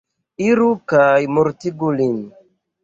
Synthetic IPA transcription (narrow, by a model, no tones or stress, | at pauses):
iɾukajmuɾtiɡulin